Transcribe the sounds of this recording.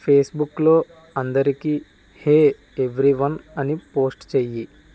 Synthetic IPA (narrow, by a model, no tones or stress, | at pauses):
pʰeːsbuklo̞ː | ɐnd̪ɐɾikiː | heː | eʋɾiʋɐnɐnipo̞ːsʈt͡ʃeːji